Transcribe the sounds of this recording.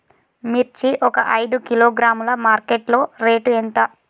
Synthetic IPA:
miɾt͡ʃiʔɔkɐʔɐjd̪ukiloːɡɾaːmulɐmaːɾkeʈlo̞ːɾe̞ːʈuent̪ɐ

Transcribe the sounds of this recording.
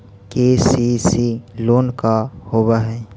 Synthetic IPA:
kesisiloːnkahobaɦɛ̃

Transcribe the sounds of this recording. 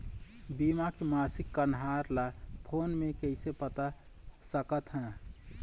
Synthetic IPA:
bimakemaːsikːənɦaɾlapʰoːnmekəɪsepət̪a | səkət̪ɦɛ̃

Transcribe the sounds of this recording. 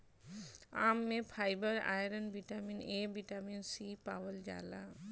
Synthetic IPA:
aːmːẽpʰaːɪbəɾa̰ːjɾənbiʈaːmineːbiʈaːminsiːpaːwəld͡ʒa̰ːla

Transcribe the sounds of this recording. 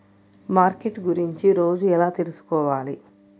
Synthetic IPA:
maːɾkeʈɡuɾiɲt͡ʃiɾo̞ːd͡ʒuɛlaːt̪eɾusu̥kɔːʋaːli

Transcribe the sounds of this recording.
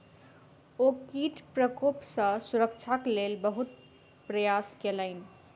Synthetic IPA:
okiʈpɾəkopsə̃suɾəkt͡ʃʰaklelbəɦut̪̚ | pɾəjaskeləɪn̆

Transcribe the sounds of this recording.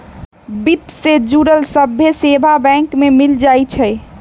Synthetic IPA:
bit̪sed͡ʒuɾəlsəbʱjesebʱabɛ̃ŋkmemild͡ʒajt͡ʃʰɛj

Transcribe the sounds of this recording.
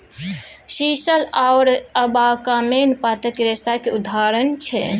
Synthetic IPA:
ʃisəlaʊɾəbakamenpat̪əkeɾest̪akeud̪ʱaɾənt͡ʃʰɛ̰

